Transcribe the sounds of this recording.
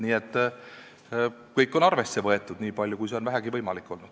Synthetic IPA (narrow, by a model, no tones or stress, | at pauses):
niːet̪ˑː | kɤjkːˑo̞nɑrve̞sːe̞vɤe̞t̪ːˑud̪̥niːpɑlʲjukujs̬e̞o̞nvæɦæɡivɤjmɑlikːˑo̞lnud̪̥